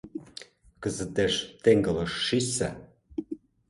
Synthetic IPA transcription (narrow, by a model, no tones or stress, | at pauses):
kə̆zə̆t̪eʃt̪eŋɡə̆lə̆ʃːisa